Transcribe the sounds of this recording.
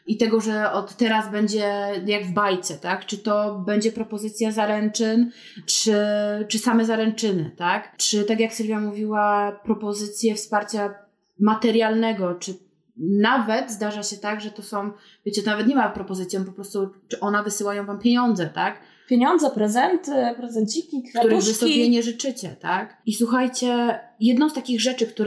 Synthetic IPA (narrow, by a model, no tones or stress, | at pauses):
it̪ɛɡɔʐɛɔt̪ːɛɾazbɛɲd͡ʑɛjaɡvbajt̪sɛt̪akt͡ʂɘt̪ɔbɛɲd͡ʑɛpɾɔpɔzɘt̪sʲjazaɾɛnt͡ʂɘn | t͡ʂɘt͡ʂɘsamɛzaɾɛnt͡ʂɘnɘ̰t̪akt͡ʂɘt̪akjaksɛɾvʲjamuvʲiwapɾɔpɔzɘt̪sʲjɛfspaɾt͡ɕa | mat̪ɛɾjalnɛɡɔt͡ʂɘ | navɛt̪zd̪aʐaɕɛt̪aɡʐɛt̪ɔsɔ̃w̃ | vʲet͡ɕɛt̪ɔnavɛt̪ɲɛmapɾɔpɔzɘt̪sʲjɔ̃mpɔpɾɔst̪ut͡ʂɘʔɔnɛvɘsɘwajɔ̃w̃vampʲjeɲɔnd̪zɛt̪ak | pʲjeɲɔnd̪zɛpɾɛzɛnt̪ɪpɾɛzɛnd͡ʑikʲit̪uɾɛɣvɘsɔbʲjɛɲɛʐɘt͡ʂɘt͡ɕɛt̪akiswuxajt͡ɕɛjɛd̪nɔw̃st̪akʲiɣʐɛt͡ʂɘkt̪uɾ